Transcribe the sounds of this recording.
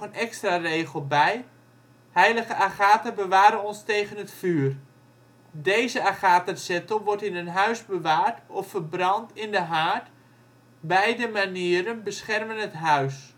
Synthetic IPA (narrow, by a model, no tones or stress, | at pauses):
ənɛkstrareːχəlˠbɛj | hɛjləɣəʔaχaːtəbəʋaːɾənɔnstejɣənətfyːr | dejzəaχaːtəsɛtəlˠʋɔɹtɪnənɦœɥzbəʋaːrtɔfːərbrɑntɪndəɦaːrt | bɛjdəmaniəɾənbəsχɛrmənətɦœɥs